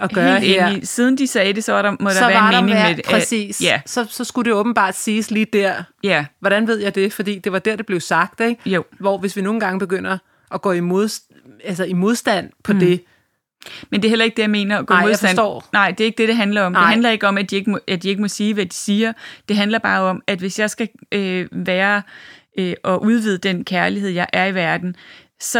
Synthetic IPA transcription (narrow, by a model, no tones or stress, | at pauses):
ɒɡ̥ɶḛːdeisiːð̞ˠn̩d̥isɛːd̥e̝sɒ̽ɑɾ̥ɑmɔ̽ɾ̥ɑʋæɐɑnmeːne̝ŋme̥eʔʰʁɛsḭːsjæsɒ̽sɒ̽sɡ̥uɾ̥e̝ɔ̽ːb̥n̩b̥ɑ̰̈ːd̥siːsliːd̥æɐ̰jæʋɒɾ̥ænʋe̝ð̞̰ˠjɑɪd̥e̝fɒ̽d̥ḭːd̥e̝ʋɑ̈d̥eɐ̰d̥eb̥le̝ʊsɑ̈ɡ̥̚d̥eɡ̥jo̰ʋɒʋe̝sʋino̝ːn̩ɡ̥ɑ̈ŋəb̥eɡ̥øn̰ɐ | ʔɒɡ̥ɔ̰ːimo̝ðˠs | ælsɐimo̝ð̞ˠsd̥æn̰pʰɒ̽d̥e̝ | mendeɐɦelɐe̝ɡ̥̚d̥ejɑ̈me̝ːnɐɒɡ̥ɔimoðasfd̥ændɔ̰ːnɑ̈ɪ̰d̥e̝æɐe̝ɡ̥̚d̥e̝ɾ̥e̝ɦænlɐɒ̽mn̥eænlɐe̝ɡ̥əɒ̽mæd̥ie̝ɡ̥əmɔʔæd̥ie̝ɡ̥mɔ̽siːʋæd̥i̥siːɐd̥e̝ɦændlɐb̥ɑ̰̈ːɒ̽mæd̥ʋe̝sjɑ̈ɪsɡ̥æøʋæːɐ | øʔɒ̽ʔuð̞ˠʋið̞̰ˠəd̥enkʰæɐliɦeð̰ˠjɑ̈ɪʔæɐiʋæɐd̥n̩ | sɒ̽